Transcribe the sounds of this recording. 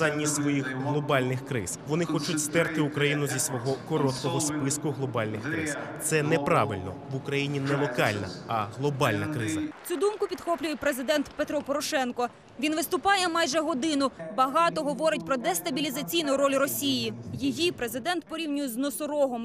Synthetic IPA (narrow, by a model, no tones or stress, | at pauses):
ɑnʲːisʋɔjixɦlˠɔbɑlʲnɪxkɾɪ̰zʋɔnɪxɔt͡ʃʊtʲst̪ɛrt̪ɪukɾɐjinʊzʲisʋɔɦɔkɔɾɔt̪̚kɔɦɔspɪskʊɦlˠɔbɑlʲnɪxkɾɪ̰z̥t̪sɛnɛpɾɑ̰ʋɪlʲnɔ̰ʋʊkɾɐjinʲinɛlˠɔkɑ̰lʲnɐ̰ɐɦlˠɔbɑlʲnɐkɾɪzɐt͡sʲud̪umkʊpʲid̪xɔplʲʊjɛpɾezɪd̪ɛnt̪pet̪ɾɔpɔɾɔʃɛnkɔ | ʋʲinʋɪst̪ʊpɑjɛmɑjʒɛɦɔd̪ɪnʊbɐɦɑt̪ɔɦɔʋɔɾɪtʲpɾɔd̪ɛst̪ɐbʲilʲizɐt͡sʲijnʊɾɔlʲrɔsʲijijijipɾe̞zɪd̪ɛnt̪pɔɾʲiwnʲʊjɛznɔsʊɾɔɦɔm